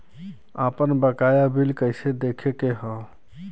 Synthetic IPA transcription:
apənbəkajabʱilkəɪsed̪ekʰekeɦə̃

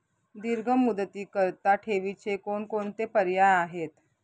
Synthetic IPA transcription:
d̪iɾɡʱəmːud̪ət̪iːkəɾt̪aʈʰeʋit͡ɕekoɳkoɳt̪epəɾjajaɦet̪

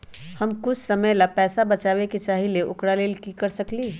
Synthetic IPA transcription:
hɐmkʊt͡ʃʰsɐməjlapɛːsabɐt͡ʃaːʋeket͡ʃaːɦileʔʊkɽaleːlkikɐɾsɐkliː

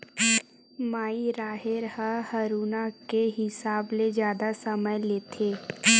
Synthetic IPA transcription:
maːiɾaːɦɪɾhəhɐɾuːnakeɦɪsaːbled͡ʒjaːd̪asɐməjleːt̪ʰeː

